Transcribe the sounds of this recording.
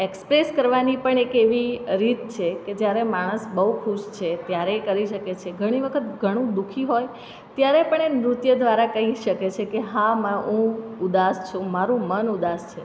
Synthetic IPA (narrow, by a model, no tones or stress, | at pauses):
ekspɾeskəɾʋanipəɳekeʋiɾit̪t͡ʃʰeked͡ʒjaɾemaɽ̃əsbəukʰuʃt͡ʃʰet̪jaɾekəɾiʃəket͡ʃʰeɡʱəɽ̃iʋəkʰət̪ɡʱəɽ̃ũd̪ukʰiɦoj | t̪jaɾepəɳemɾʊt̪jəd̪ʋaɾakəɦiʃəket͡ʃʰekeɦãməũud̪ast͡ʃʰũmaɾũmənud̪ast͡ʃʰe